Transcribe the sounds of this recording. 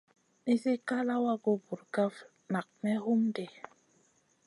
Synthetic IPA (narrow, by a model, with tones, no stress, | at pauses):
ni˦se˦ka˦la˦wa˦ɡo˦bu˨ɾka˦f | na˨k̚mɛ˦hu˦mde˨